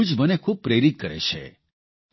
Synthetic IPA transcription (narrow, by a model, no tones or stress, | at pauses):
d͡ʒmənekʰub̚pɾeɾit̪̚kəɾḛt͡ʃʰḛ